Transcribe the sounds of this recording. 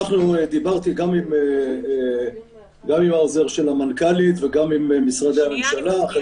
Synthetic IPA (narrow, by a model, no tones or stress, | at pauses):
aχnued̪ibaʁt̪iɡamime | ɡamimhao̞ze̞ʁʃelamankalit̪veɡamimemisʁad̪eame̞mʃalaχa